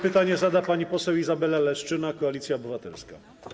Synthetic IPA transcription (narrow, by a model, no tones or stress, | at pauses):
pɘt̪aɲɛzad̪apaɲipɔsɛwizabɛlalɛʂt͡ʂɘnakɔalʲit̪sʲjaɔbɘvat̪ɛlska̰